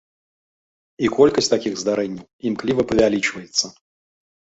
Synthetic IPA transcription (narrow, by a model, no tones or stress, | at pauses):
ikɔlʲkəsʲtʲt̪akʲiɣzd̪aɾɛnʲːɪwimklʲivɐpəvʲalʲit͡ʃvəjɪt̪sːə